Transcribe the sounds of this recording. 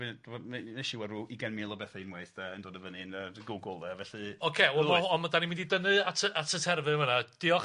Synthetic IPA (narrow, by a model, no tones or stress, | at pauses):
vɨnd̥vɔmneʃiwɛruʔiɡɛnmɪlˠɔbɛθainmweθd̥ɛəndoːdəvənɨnəɡʊɡʊlˠvɛvɛɬɨɔkʰeɔmaɔmadanimɪ̃ndidənɨatʰəʔatʰətʰɛrvɨmənad̥ɪɔ